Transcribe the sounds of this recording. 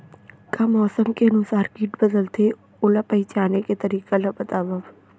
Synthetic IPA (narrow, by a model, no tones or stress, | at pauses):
kamɔːsəmkeɐnʊsaːɾkiːʈbəd̪əlt̪ʰe | ʊlɐpɐɪt͡ʃaːneket̪ɐɾiːkalɐbɐt̪aːbɐʋ